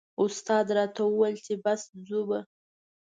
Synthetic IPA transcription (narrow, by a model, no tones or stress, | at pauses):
ʊst̪ɑd̪ɾɑt̪awəwalt͡ʃebaszuba